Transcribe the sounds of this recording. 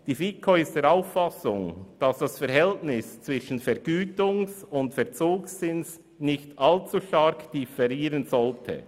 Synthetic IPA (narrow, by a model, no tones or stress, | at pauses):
d̥iːfiːkʰoɪstd̥eːɾaʊfːɑsʊŋd̥ɑsd̥ɑsfɛɾhɛltnɪst͡svɪʃn̩fɛɐɾɡ̥yːtʊŋsʊntfɛɐt͡soːksːɪns | nɪçtʔɑlt͡suʃtɑɾkd̥ifɛɾiːɾənzɔltʰə̰